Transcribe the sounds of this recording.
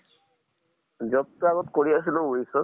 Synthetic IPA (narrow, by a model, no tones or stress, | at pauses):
zɔttːuaɣɔtkoɹias̬ilʊ̃uisɔ